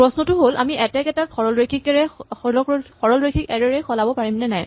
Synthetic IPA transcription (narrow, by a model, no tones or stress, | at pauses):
pɹɔsnɔtʊɦola̰miʔɛtɛkɛtaxʰɔɹɔlɹekʰikɛɹɛlɔkxɔɹɔlɹekʰikɛɹɛɹɛxɔlabɔpaɹimnɛnaj